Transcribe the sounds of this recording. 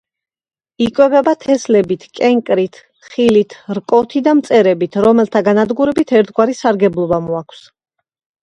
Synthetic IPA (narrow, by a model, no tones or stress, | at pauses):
ikʼwɛbɛbat̪ʰɛslɛbit̪ʰkʼɛŋkʼɾit̪ʰ | χilit̪ʰɾkʼɔt̪ʰid̪amt̪sʼɛɾɛbit̪ʰɾɔmɛlˠt̪ʰaɡanad̪ɡuɾɛbit̪ʰɛɾt̪ʰɡwaɾisaɾɡɛblˠɔbamuakʰs